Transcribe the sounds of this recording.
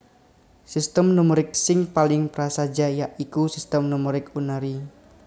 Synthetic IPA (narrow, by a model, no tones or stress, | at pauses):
sist̪əmnumuɾɪk̚sɪŋpalɪŋpɾasad͡ʒajaʔikusist̪əmnumuɾɪkunaɾi